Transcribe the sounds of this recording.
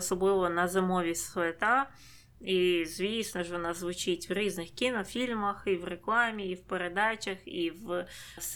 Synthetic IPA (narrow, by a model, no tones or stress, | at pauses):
sɔblˠɪʋɔnɐzɪmɔʋʲislet̪ɑ | izʲʋʲisnɔʒʋɔnɑzʋʊt͡ʃitʲʋɾʲiznɪxkʲinɔfʲilʲmɐxiwreklˠɑmʲiːwpeɾed̪ɑt͡ʃɐxiw | s